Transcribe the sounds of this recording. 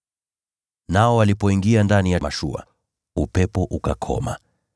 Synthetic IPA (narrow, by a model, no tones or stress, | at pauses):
naɔwalipɔiŋɡiandanijamaʃṵa̰ | upɛpɔʔukakʰɔ̰ma̰